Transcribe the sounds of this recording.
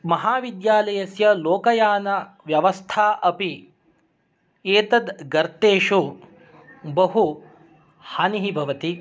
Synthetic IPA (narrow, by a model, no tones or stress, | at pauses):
mɐɦaːʋid̪jaːlɐjɐsjɐloːkɐjaːnɐ | ʋjɐʋɐst̪ʰaːʔɐpi | eːt̪ɐd̪ɡɐɾt̪eːʃu | bɐɦu | haːniɦibʱɐʋɐt̪i